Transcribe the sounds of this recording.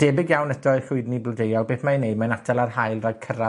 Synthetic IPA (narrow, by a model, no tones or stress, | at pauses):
d̥ɛbɪɡjawnədɔɨχʊɨdniblɔdejɔlˠbeːθmaənejd̚manatʰalˠarɦajlˠrɔjd̥kʰəɾa